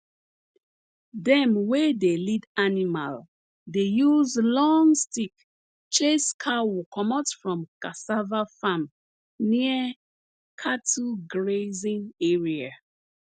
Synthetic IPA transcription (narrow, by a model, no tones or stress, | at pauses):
dɛ̃mwedelidanima̰l | dejuzlɔŋstik | t͡ʃeskʰawukʰɔmatfɹɔ̃mkasavafãm | niə | kʰatʰuɡɹezĩneɹia